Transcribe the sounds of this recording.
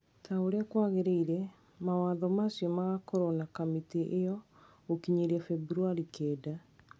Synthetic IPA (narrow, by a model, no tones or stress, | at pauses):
tʰaoɾeakwaɣeɾeiɾɛ | mawaðɔmasjɔmaɣakɔɾɔnakamiteʔejɔ | okiɲeɾɛfɛbɾuaɾikʰɛːda